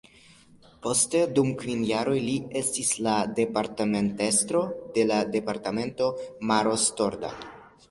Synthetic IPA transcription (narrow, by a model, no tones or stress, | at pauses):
po̞ste̞dumkvinjaɾo̞jlie̞stislade̞paɾtamente̞stɾode̞lade̞paɾtame̞nto̞maɾo̞sto̞ɾda̰